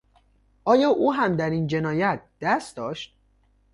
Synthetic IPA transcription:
ʔɒːjɒːʔuːɦæmd̪æɾiːnd͡ʒe̞nɒːjæt̪̚ʰd̪̥æst̪d̪ɒːʃt̪̚

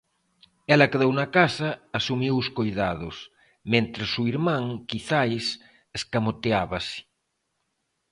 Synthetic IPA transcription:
ɛlɐkeðownakasɐːsumiwʊskojðaðʊs | mẽnt̪ɾesuiɾmãŋkiθajs | eskamot̪eaβasɪ̥

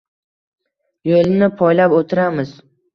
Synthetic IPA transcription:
jolnɪpʰɒjlapot̪ʰɪɾamɪz̥

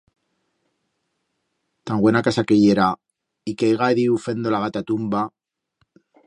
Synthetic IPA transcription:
t̪aŋɡwe̞nakasakeʝe̞ɾa | ikejɣaeðiufe̞nd̪o̞laɣat̪at̪umba

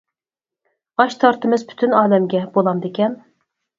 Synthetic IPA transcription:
ɑʃt̪ʰɑɾt̪ʰɨmɨzpʰy̥t̪ʰynɑːlɛmɡʲɛbolˠɑmd̪ekʲʰɛn

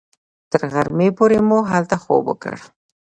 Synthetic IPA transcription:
t̪əɾɣaɾmepoɾemoɦalt̪axo̰bə̰kə̰ɽ

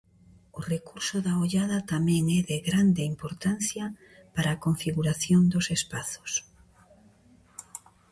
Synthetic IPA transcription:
ʊrekuɾsʊðaoʎaðɐt̪amɛ̃ŋɛðeɣɾand̪eimpoɾt̪an̟θjɐ | paɾaːkoɱfiɣuɾaθjond̪osespaθo̥s

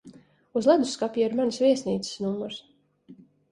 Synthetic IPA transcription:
uzlˠad̪uskapʲjɛiɾmansvʲiɛsniːt̪sɪ̥snumːuɾs

